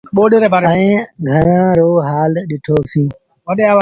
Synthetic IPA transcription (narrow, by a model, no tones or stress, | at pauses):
ɓoːɗeːɾebaːɾẽːɡʱəɾãːɾoːɦaːlɗɪʈʰoːsĩː | ʋəɗeaːʋa